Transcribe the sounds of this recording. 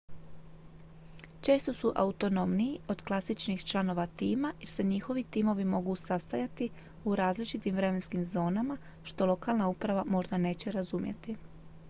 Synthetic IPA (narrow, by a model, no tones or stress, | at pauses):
t͡ʃe̞ːst̪o̞suʔaut̪o̞no̞mniːo̞d̪klˠasit͡ʃnixt͡ʃlˠano̞ʋat̪iːmajiɾse̞ɲixo̞ʋit̪iːmo̞ʋimo̞ɡusast̪ajat̪i | uɾaːzlit͡ʃit̪imʋɾe̞me̞nskimzo̞ːnama | ʃt̪o̞lˠo̞kaːlnaupɾaʋamo̞ʒd̪ane̞ːt͡ɕeɾazumjḛt̪i